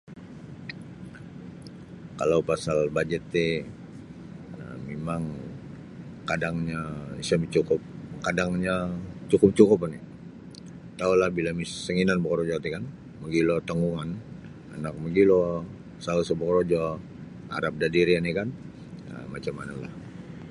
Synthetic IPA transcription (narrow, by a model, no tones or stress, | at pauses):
kalawpasalbad͡ʒɛt̪ːi | memaŋ | kadaŋɲaisamit͡ʃukʊp̚kadaŋɲat͡ʃukʊp̚t͡ʃukʊp̬ani | t̪aulahbilamissəŋinanbəkɾod͡ʒɔt̪ikan | məɡilot̪əŋɡuŋan | a̰nak̚məɡilo | sausəbəkɾod͡ʒɔ | a̰ɾap̚dadiɾianikan | ə̰mat͡ʃamanala̰h